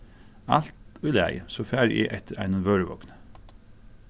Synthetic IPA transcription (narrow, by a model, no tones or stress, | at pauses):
ɑlt̪ɔilæ̰ɪsoːfæːɾḭːʔɛt̪ʰəɾæɪnənʋøːɹəʋɔ̰knə̥